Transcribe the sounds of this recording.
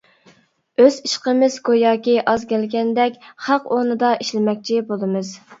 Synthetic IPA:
øziʃqəmɪz̥kojɑːkʲiʔɑzkʲɛlɡʲɛnd̪ɛkʲχɑqonɨd̪ɑiʃlɪmɛkʲt͡ʃʰibolˠɨmɨz

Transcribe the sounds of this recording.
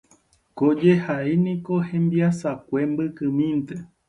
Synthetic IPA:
kod͡ʒehaenĩko̞hẽ̞mbiasakʷembɨkɨmĩnt̪e

